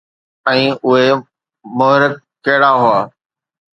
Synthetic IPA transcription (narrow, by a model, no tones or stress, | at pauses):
ɛ̃ːʔʊɦe | mʊɦɾɪk̚ːɐɦɪɽaɦʊaː